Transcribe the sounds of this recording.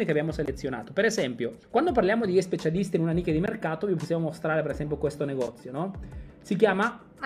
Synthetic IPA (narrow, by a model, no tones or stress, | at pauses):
nekeabːjaːmoselet̪sːjona̰ːt̪opeɾezɛmpjokwand̪op̬arljaːmod̪iespet͡ʃalist̪iːnunaniːk̟ed̪imerkaːt̪oviposːjamomost̪ɾaːɾepeɾezɛmp̬jokwest̪oneɡɔt̪sːjonɔsikjaːma